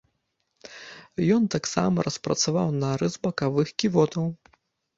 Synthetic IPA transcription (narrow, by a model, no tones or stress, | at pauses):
jɔnt̪aksa̰mɐɾɐspɾɐ̰t̪savawnɐɾɨzbɐkavɨxkʲivɔt̪ɐw